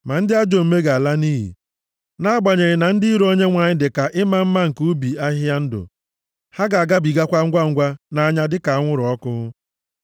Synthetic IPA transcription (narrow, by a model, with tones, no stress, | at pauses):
ma˨n̩˦dɪ˦a˦d͡ʒo˨m̩˨me˦ɡa˨a˨la˦niː˦ɦḭ˨ | na˦a˦ɡ͡ba˨ɲe˨ɾɪ˨na˨n̩˦dɪ˦i˦ɾo˦ɲe˦ŋʷa˨ɲɪ˦dɪ˨ka˨ʔɪ˦ma˦m̩˦ma˦ŋ̩˨ku˦bi˨a˦ɦa˦n̩˦dʊ̰˨ | ha˦ɡa˨a˨ɡa˦bi˨ɡa˦kʷa˦ŋ̩˦ɡʷa˦ŋ̩˦ɡʷa˦na˨a˦ɲa˦dɪ˦ka˨˦ŋʷʊ˦ɾʊ˨ɔ˦kʊ˦ʊ˦